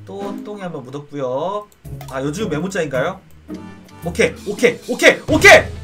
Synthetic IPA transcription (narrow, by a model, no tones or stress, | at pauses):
t͈ot͈oŋiɦambʌnmudʌp̚k͈ujo | ajod͡ʑumme̞mut͡ɕ͈ainɡajo | okʰeokʰeokʰeokʰe